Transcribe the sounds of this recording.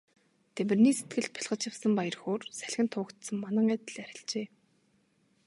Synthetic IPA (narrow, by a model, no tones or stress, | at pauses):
t̪ʰemɘ̆rniːset̪ɡɘ̆ɮt̪̚pʰi̥ɮʁə̆t͡ɕjawsə̆mpajə̆rxoːrsæɮ̆xʲɘ̆nt̪ʰʊːkt̪sə̆mmanə̆ŋæt̪ɘ̆ɮæɾʲɪ̆ɮt͡ɕeː